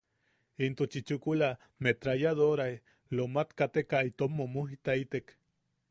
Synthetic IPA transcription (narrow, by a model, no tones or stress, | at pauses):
int̪ot͡ʃit͡ʃukula | met̪ɾajaðoɾae | lomat̪kat̪ekait̪omːomuɦit̪ait̪ek